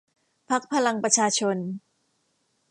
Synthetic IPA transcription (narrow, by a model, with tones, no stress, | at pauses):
pʰa˦˥k̚pʰa˧la˧ŋpɾa˧t͡ɕʰaː˧t͡ɕʰo˧n